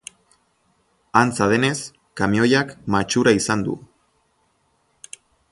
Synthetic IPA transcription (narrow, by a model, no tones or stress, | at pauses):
ant͡saðe̞ne̞s | kamio̞jakmat͡ʃuɾaisand̪ṵ